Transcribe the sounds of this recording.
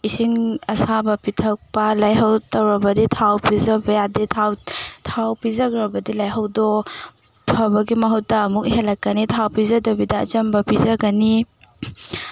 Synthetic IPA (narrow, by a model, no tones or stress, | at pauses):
isiŋɐsabɐpitʰɐk̚pɐlajɦɐwtɐwɾɐbɐditʰawpizɐbɐjaditʰawtʰawpizɐɡɾɐbɐdilajɦɐwdɔ | pʰɐbɐɡimɐɦut̚ːɐːmuk̚ɦelːɐkːɐnitʰawpizɐdɐbidɐ̰ːd͡ʒɐmbɐpizɐɡɐni